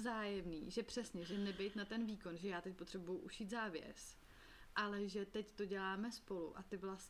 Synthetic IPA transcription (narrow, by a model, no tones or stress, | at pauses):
zaːjɛmnḭːʒɛpr̝̥ɛsɲɛʒɛnɛbɛjt̪nat̪ɛnviːko̞nʒɛjaːt̪ɛc̚pot̪r̝̥ɛbujuʔuʃiːt̪zaːvjɛ̰s | ʔalɛʒɛt̪ɛct̪o̞ɟɛlaːmɛspo̞lṵʔat̪ɪvlas